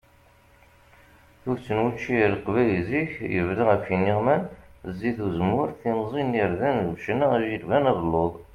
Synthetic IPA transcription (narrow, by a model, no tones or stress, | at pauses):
θuɾt͡sːənwut͡ʃːilqvæjziçjəvɾaʁæfiniʁmænzːiθuzmʊɾθinzˤiniɾðænðuʃnaæʒiɾvænæðəlːoðˤ